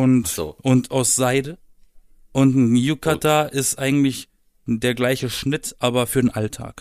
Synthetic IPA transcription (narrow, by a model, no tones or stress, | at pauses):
ʊntʔʊntʰaʊsz̥aɪdə | ʔʊntn̩jukʰatʰaːʔɪstʔaɪɡŋ̩tlɪç | deːɐɡlaɪçəʃnɪtʔaːbɐfyːɐdeːnʔaltʰa̰ːk